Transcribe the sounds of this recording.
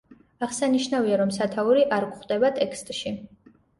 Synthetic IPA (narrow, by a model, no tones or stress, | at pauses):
aʁsaniʃnaviaɾɔmsat̪ʰauɾiʔaɾkʷχd̪ɛbat̪ʼɛkʰst̪ʼʃi